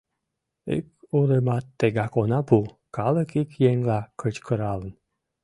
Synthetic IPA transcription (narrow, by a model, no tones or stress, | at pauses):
ḭk̚uɾəmɑt̪ːeɡɑkonɑpu | kɑləkikjeŋlɑkət͡ɕkʰəɾɑlən